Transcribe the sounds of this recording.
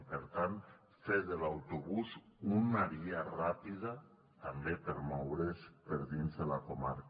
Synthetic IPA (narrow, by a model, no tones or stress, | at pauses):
peɾt̪ant̪ | fezðelawt̪uβuzunaɾiarapið̞a | t̪ambepeɾmɔwɾespeɾðinzðelakoma̰ɾk